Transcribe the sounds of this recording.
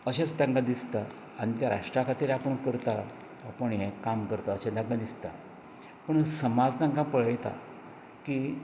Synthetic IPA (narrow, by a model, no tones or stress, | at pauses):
əɕat͡sd̪ãŋɡad̪ist̪a | ãit̪jaɾa̰ʂʈɾakʰat̪iːɾapəɳkəɾt̪a | apəɳɦekamkəɾt̪aəɕad̪ãŋɡad̪ist̪a | pəɳsəmad͡zd̪ãŋkãpəɭjɛt̪a̰ | ki